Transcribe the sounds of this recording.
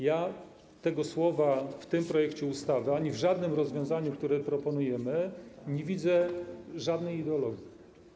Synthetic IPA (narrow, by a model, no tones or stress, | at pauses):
ja | t̪ɛɡɔswɔvaft̪ɘmpɾɔjɛkt͡ɕɛust̪avɘaɲivʐad̪nɘmɾɔzvʲjɔ̃w̃zaɲukt̪uɾɛpɾɔpɔnujɛmɘɲevʲid̪zɛʐad̪nɛjid̪ɛɔlɔɡʲi